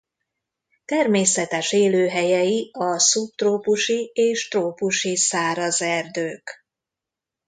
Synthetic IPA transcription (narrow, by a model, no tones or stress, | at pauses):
t̪ɛrmeːsɛt̪ɛʃeːløːɦɛjɛjiɒsup̚t̪roːpuʃieːʃt̪roːpuʃisaːɾɒzɛrd̪øːk